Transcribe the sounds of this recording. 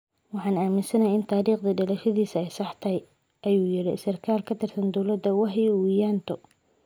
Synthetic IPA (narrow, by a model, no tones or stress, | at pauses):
wɑħɑːnaːmɪnsɐnɐjaɪnt̪ʰaːɾiːqd̪ɐɖɐlɛʃɐðiːsɐɛjsɑħt̪ʰɐj | ʔɐjuːjɪɾɪsɪrkʰaːlkʰɐt̪ʰɛrsɐnd̪ɔwlɐd̪ːɐwɑħɛwijaːnt̪ʰɔ